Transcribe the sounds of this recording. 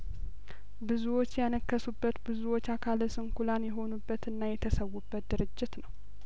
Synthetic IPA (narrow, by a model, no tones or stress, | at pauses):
bɨzuwo̞t͡ʃːjanəkːəsubːət̪bɨzuwo̞t͡ʃːakʰaləsɨŋkʰulanjɛɦo̞nubːət̪ɨnːajɛt̪ʰəsəwːubːət̪̚d̪ɨɾɨd͡ʒːɪt̪nəw